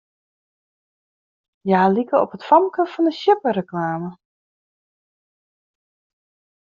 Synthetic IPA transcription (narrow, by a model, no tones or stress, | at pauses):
jaːlikəɔpətfɔmkəfɔndəʃjɪpərəklaːmə